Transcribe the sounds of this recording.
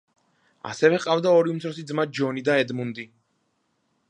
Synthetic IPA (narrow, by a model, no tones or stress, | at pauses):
a̰sɛvɛqʼavd̪aɔɾiumt̪sʰɾɔsid̪zmad͡ʒɔnid̪aɛd̪mund̪i